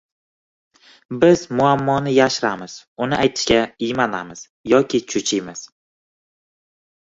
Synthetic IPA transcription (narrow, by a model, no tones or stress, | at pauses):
bɪzmʊamːɒnɪjaʃɾamɪz̥ʊnɪʔajt̪ʰɪ̥ʃkʲaɪmana̰mɪz̥ | jɒkʲʰɪt͡ʃʰʊt͡ʃʰɪmɪz̥